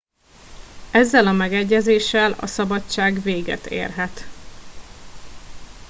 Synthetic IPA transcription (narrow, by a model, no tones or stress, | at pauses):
ɛzːɛlɒmɛɡɛɟːɛzeːʃɛlɒ̰sɒbɒt͡ʃaːɡveːɡɛ̰t̪ḛːrɦɛt̪